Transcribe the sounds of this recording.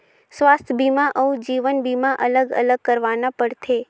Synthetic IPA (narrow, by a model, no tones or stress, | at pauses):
sʋaːst̪ʰəbiːmaʔəud͡ʒiːʋənbiːmaʔələɡə̰ləɡ̚kəɾʋaːnapəɽt̪ʰeː